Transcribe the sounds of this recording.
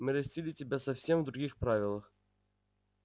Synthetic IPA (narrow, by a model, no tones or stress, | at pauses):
mɨɾɐsʲtʲilʲɪtʲɪbʲasɐfsʲe̞mvd̪ɾʊɡʲixpɾavʲɪlˠəx